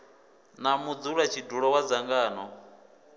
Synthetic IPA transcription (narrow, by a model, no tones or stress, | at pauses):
namud͡zuɺat͡ʃʰiduɺɔwad͡zaŋɡaːnɔ